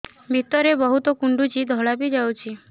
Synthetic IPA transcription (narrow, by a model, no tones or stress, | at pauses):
bʱit̪ɔɾebəɦut̪okuɳɖut͡ʃid̪ʱɔɭapid͡ʒawt͡ʃʰi